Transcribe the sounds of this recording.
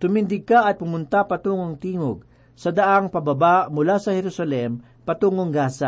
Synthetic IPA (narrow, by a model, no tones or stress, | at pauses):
t̪ʊmɪnd̪ɪɡ̚kaʔɐt̪̚pʊmʊnt̪apɐt̪uŋoŋt̪iːŋoɡ̚ | sɐd̪ɐʔaŋpɐbɐbaʔmʊlasɐhɛɾʊsɐlɛm | pɐt̪uŋoŋɡaːsɐ